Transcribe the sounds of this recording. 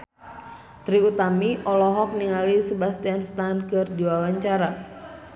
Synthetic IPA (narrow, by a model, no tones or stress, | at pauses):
t̪ɾiut̪amiʔɔlɔɦɔk̚niŋalisəbast̪ianst̪ankɨrdiwawaɲt͡ʃaɾa